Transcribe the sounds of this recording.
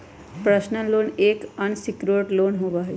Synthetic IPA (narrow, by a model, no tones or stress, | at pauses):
pɾəʃnəloːneːkənsikɾoʈloːnɦoːʋaːɦe